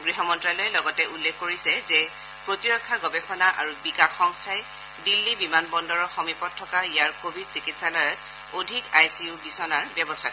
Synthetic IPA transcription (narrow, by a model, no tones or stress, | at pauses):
ɡɹiɦɔmɔntɹalɔjɛlɔɡɔtɛʔulːekʰːoɹisɛzɛ | pɹotiɹɔkʰːaɡɔbɛxɔnaʔaɹubikaxːɔŋstʰaj | dilːibimanbɔndɔɹɔxɔmipɔt̚tʰːɔkaijaɹkobʱidsikitsalɔjɔt | odʱikajsiubisɔnaɹbjɔbɔstʰa